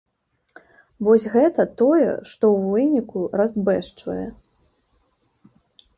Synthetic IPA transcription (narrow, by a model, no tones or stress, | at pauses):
vɔsʲɣɛt̪ɐt̪ɔjɛ̰ʂt̪ɔwvɨnʲikurazbɛʂt͡ʂvɐ̰jɛ̰